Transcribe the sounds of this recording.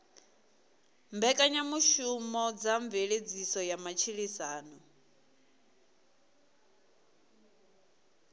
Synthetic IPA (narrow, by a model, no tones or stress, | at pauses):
mbɛkʼaɲamuʃumɔd͡zaɱveɺed͡zisɔjamat͡ʃʰiɺisaːnɔ